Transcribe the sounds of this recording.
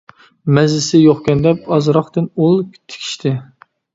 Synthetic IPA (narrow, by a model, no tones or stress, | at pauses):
mɛzlɪsɪjoχkʲɛnd̪ɛp̚ɑzɾɑχt̪ɨnulˠkʲt̪ʰɪ̥kʲʰi̥ʃt̪ʰɪ